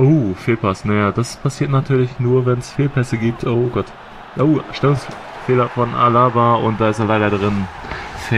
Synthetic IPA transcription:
ʔoːfeːlpʰasnajaːd̥aspʰasiːɐtnatʰyːɐlɪçnuːɐvɛnsfeːlpʰɛsəɡiːp̚tʰʔoːɡɔt | ʔoːʃtɛlʊŋs | feːlɐfɔnʔa̰laːbaʊnt̚d̥aːɪsteːɐlaɪɾɐdʁɪnfɛ

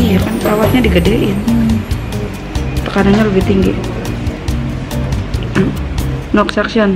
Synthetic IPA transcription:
ijakanpəɾawat̪̚ɲadiɡadaʔɪn | t̪ə̥kadaŋɲaləbɪht̪iŋɡḭ | nɔksaksiɔn

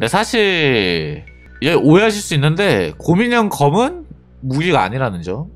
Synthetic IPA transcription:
ne̞sʰaɕʰiɾ | id͡ʑeʔoeɦaɕ̬ʰiɭs͈uinːɯnde̞komiɲʌŋkʌmɯn | muɡiɡaa̰ɲiɾanɯnd͡ʑo

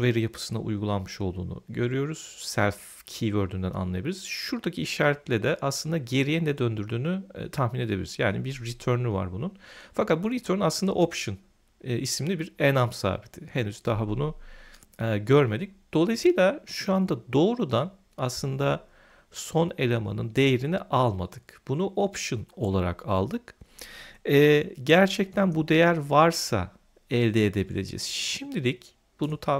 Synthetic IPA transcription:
ve̞ɾijapʰɯ̥sɯna̰ʔṵjɡulˠanmɯʃo̞lˠd̪ṵːnṵɟø̞ɾyjo̞ɾuz̥sælʲf | cʰivøɾd̪ynd̪æ̰na̰nlˠajabilʲiɾiz̥ʃuɾd̪acʰiiʃaːɾɛt̪lʲɛd̪ɛʔaslˠɯnd̪aɟe̞ɾijɛnd̪ɛd̪ø̞nd̪yɾd̪yːny̰t̪ʰahmine̞d̪e̞biliɾizjaːnibiɾːit̪ʰøɾnʲyva̰ɾbununfakat̪̚buɾit̪ʰøɾnaslˠɯnd̪a̰ʔopʃɯn | ʔismilʲibiɾenamsa̰ːbit̪ʰɪhenyz̥d̪aɦabunu | ɟøɾme̞d̪ic̚d̪̥o̞lˠajsɯjlʲˠaʃuand̪ad̪o̞ːɾud̪an | aslˠɯnd̪a | so̞ne̞lʲema̰nɯnd̪e̞jeɾiniʔalˠma̰d̪ɯkb̥unuʔopʃɯno̞lˠaɾa̰kʰa̰lˠd̪ɯk | ɛːɟæɾt͡ʃʰɛc̚t̪ʰænbud̪e̞jæɾvaɾsa̰ | ɛlʲd̪eːd̪e̞bilʲe̞̰d͡ʒɛ̰z̥ʃimd̪ilʲic | b̥unut̪ʰa

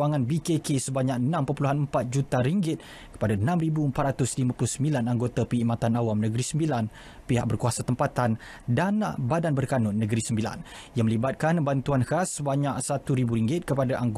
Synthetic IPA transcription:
aŋãnbikekesəbaɲak̚ənãmpəpuluɦanəmpat̪̚d͡ʒut̪aɾiŋɡɪt̪̚ | kə̥padaənãmribuəmpat̪ɾrat̪ʊslimãpulʊhsəmbilanaŋɡot̪apəimãt̪anawamnə̃ɡəɾisəmbilan | piɦaʔk̚bərkuasat̪əmpat̪an | danbadanbərkanʊnːə̃ɡəɾisəmbila̰n | jaŋməlibat̪̚kanbant̪uanhasːəbaɲaksat̪uɾibuɾiŋɡɪt̪̚kəpadaʔaŋɡ

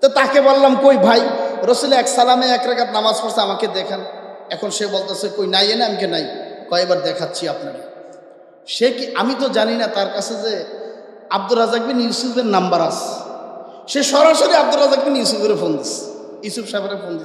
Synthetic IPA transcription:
t̪ɔt̪akebollamkojbʱajɾosuleɛksalameɛkɾakat̪̚namazfʰɔɾseamaked̪ɛkʰanɛkʰonʃebolt̪easekojnajeneamikenajkoejbaɾd̪ɛkʰatːɕʰiapnaɾ | ʃekiamit̪̬od͡ʑaninat̪aɾkat͡ɕʰeze | ab̚d̪uɾazak̚binjusufʰeɾnambaɾas | ʃeʃɔɾaʃoɾiab̚d̪uɾazak̚binjusupeɾefond̪is | jusupʃapʰaɾefond̪is

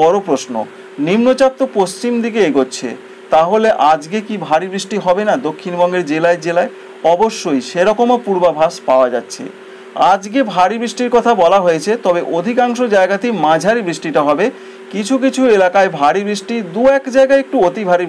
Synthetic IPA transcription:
ɔɾopɾoʃno̰ | nimnot͡ɕatt̪ːopost͡ɕimd̪ik̬eeɡotːɕʰḛ | t̪aɦoleʔad͡ʑɡekibʱaɾibɾiʃʈiɦɔbenad̪okʰːinbɔŋɡeɾd͡ʑelaed͡ʑelae | ɔboʃːojʃeɾɔkomopuɾbabʱaʃpaoad͡ʑatːɕʰḛ | ad͡ʑɡebʱaɾibɾiʃʈiɾkɔt̪ʰabɔlaɦojet͡ɕʰet̪ɔbeʔod̪ʱikaŋʃod͡ʑaeɡat̪imãd͡ʑʱaɾibɾiʃʈiʈaɦɔbe | kit͡ɕʰuk̬it͡ɕʰuelakaebʱaɾibɾiʃʈid̪uɛkd͡ʑaeɡaeek̚ʈuot̪ibʱaɾi

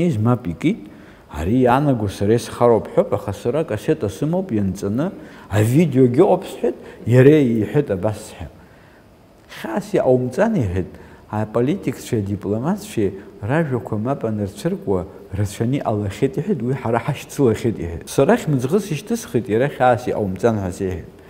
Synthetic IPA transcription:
eʒmapʼikʼitʼ | a̰ɾijanaɡʷasaɾajsχaɾopʰʼħʷopʼaχasaɾakʼasetʼasɨmowpʼjant͡sʼanɨavidejo̞ɡʲɪqʷʼapʰsħɨtʼjaɾeiħʷʊtʼabasħa̰ | χʲaːsiʔawmt͡sʼaniħɨtʼapʼolitʼikʰt͡ʃʷʰadipʼlomat͡sʰt͡ʃʷeraʒᶣakʷʰamapʼanɨrt͡ɕʷʰɨrkʷʼa | rat͡ɕʷʰaniʔalaχʲitʼiħʷʏtʼwiħaɾaħaʃt͡sʰɨlaχʲitʼḭħɨ̰tʼsaɾaχʲmɨd͡zʁəsiʃtʰɨsχitʼjaɾaχʲaːsiʔa̰wmt͡sʼanħʷaseħɨ̰tʼ

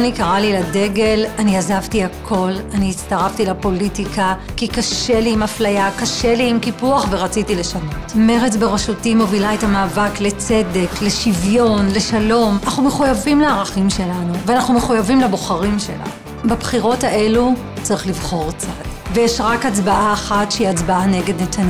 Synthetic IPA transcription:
anikaʁalilade̞ɡe̞laniazavtiakʰo̞laniːt͡staʁaftilapo̞litikakikaʃe̞liːmaflajakaʃe̞liːmkipuaχve̞ʁat͡sitile̞ʃano̞tme̞ʁet͡sbeʁaʃutimo̞vilaetamaːvakle̞t͡se̞de̞kle̞ʃivjo̞nle̞ʃalo̞manaχnumeχujavimleaʁaχimʃe̞lanuveanaχnumeχujavimlaboχaʁimʃe̞̰la̰ | babχiʁo̞thaʔe̞lu | t͡saʁiχlivχo̞ʁt͡sadvejeʃʁakat͡sbaʔaːχatʃeiat͡sbaaneɡe̞dnetʰan

